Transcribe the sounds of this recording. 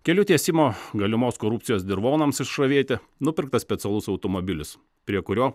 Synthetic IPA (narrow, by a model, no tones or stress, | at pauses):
kʲɛlʲʊt̪ʲiɛsʲɪmoːɡɐlʲɪmoːskoːɾupt̪sʲɪjoːsd̪ʲɪɾʋoːnɐmsɪʃʃɾɐʋʲiɛt̪ʲɛ | nʊpʲɪɾk̚t̪ɐsʲpʲɛt̪ʲɛlˠʊsɒʊt̪ɔːmobʲɪlʲʊs | pʲɾʲiɛkʊɾʲoː